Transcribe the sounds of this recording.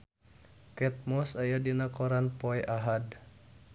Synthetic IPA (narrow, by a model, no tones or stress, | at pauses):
kɛt̪̚mɔsajadinakɔɾanpɔɛʔaɦad